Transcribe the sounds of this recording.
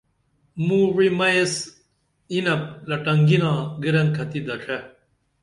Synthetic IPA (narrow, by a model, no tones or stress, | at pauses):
mũwimɐes | inɐp̚lɐʈɐŋɡinãːɡiɾɐŋkʰɐt̪id̪ɐʈ͡ʂʰe